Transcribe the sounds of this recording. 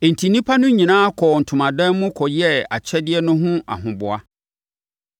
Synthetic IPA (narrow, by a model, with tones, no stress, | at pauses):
e˨n̩˨tʰi˨nĩ˦pʰa˦nʊ̃˦ɲĩ˨nãː˦kʰɔ˨n̩˨tʰʊ̃˨mã˨dã˦mʊ̃˦kʰɔ˨jɛ˦a̰˨t͡ɕʰɛ˦dɪ˦ɛ˦nʊ̃˦ɦʊ̃˦a̰˨ɦʊ̃˨bʊ˨a˦